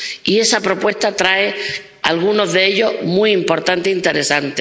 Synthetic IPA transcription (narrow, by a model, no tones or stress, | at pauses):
ie̞sapɾo̞pwe̞st̪at̪ɾae | alɣ̞uno̞zðeeʎo̞ɦmuiimpo̞ɾt̪ant̪eint̪e̞ɾe̞sant̪e